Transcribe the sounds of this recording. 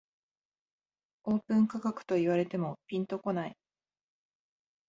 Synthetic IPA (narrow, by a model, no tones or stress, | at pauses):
o̞ːpɯ̟̃ŋkakakɯ̟̥t̪o̞iβaɾe̞t̪e̞mo̞pʲĩnt̪o̞ko̞nai